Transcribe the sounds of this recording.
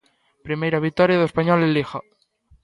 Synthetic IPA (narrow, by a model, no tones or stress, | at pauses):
pɾimejɾaβ̞ik̚t̪ɔɾjaðoespaɲɔlelixa